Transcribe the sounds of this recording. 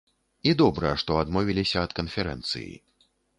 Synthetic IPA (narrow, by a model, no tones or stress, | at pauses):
id̪ɔbɾɐjɛʂt̪ɔad̪mɔvʲilʲisʲɐːt̪kɐnfʲɛɾɛ̰nt̪sɨ̰jḭ